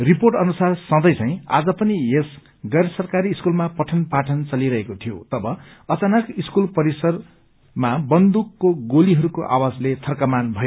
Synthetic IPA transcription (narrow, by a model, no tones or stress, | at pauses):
riporʈʌnusarsʌ̃d̪ʌjt͡sãj̃a̰d͡zʌpʌnies | ɡʌɾsʌrkaɾiːskulmapʌʈʰʌnpaʈʰʌnt͡sʌliɾʌɦekot̪ʰijo̰t̪ʌbʌ | ʌt͡sanakiskulpʌɾisʌr | mabʌnd̪ukːoɡoliɦʌɾukoʔa̰wad͡zlet̪ʰʌrkʌmanbʱʌjo